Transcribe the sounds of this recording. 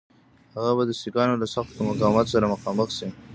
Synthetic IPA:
haɣabad̪əsikɑnolasaxt̪omʊkɑwmɑt̪saɾamʊxɑːməxsi

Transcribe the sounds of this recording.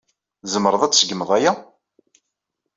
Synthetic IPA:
zəmːɾˤəðˤæt͡sːsəɡəməðˤæjæ

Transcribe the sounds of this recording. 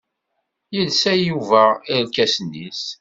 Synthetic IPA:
jəlsæjuvæiɾlkæsənːis

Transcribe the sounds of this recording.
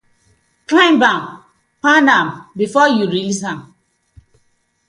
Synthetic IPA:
klãɪ̃mbãm | panãmbifɔjuɹilis̬ãm

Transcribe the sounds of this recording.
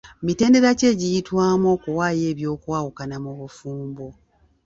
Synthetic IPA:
mite̞ːnde̞ɾaceːɟijitwaːmo̞kuwaːje̞ːβjo̞ːkwaːwukanamoβufuːmbo

